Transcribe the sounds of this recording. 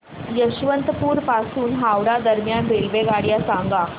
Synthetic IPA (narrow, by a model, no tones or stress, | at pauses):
jəɕʋənt̪əpuːɾpasuːnɦawɽad̪əɾmjanɾelʋeɡaɽjasaŋɡa